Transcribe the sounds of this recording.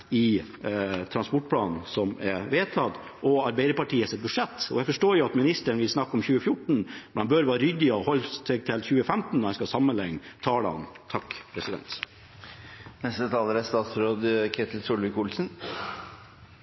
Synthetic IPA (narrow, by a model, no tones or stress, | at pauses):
ɪ | t̪ʰɾɑnspɔʈ̚ːpʰlɑːnn̩sɔmɛʋeːt̪ʰɑt̪ː | ʔɔɑɾbæɪd̪əɾpɑʈʰiːəsɪt̪̚bʉʂɛt̪ːɔ̰jæfɔʂʈoːɾjʊɑt̪mɪnɪst̪əɳʋɪlsnɑkːɔmçʉːəfjʊʈɳ̩mɛnhɑnbœɾʋɑːɾʏd̪ɪɔhɔlːsɛɡ̚t̪ʰɪlçʉːəfæmt̪n̩d̪ɔhɛnskɑsɑmːənlɛŋːt̪ʰɑːlɑ̰ɑ̰nt̪ʰɑkːpʰɾɛsɪd̪ɛ̰nt̪ | nɛst̪ət̪ʰɑːləɾæst̪ɑːt̪sɾoːd̪kʰet̪ʰəl̩sulʋɪkʰuːlsən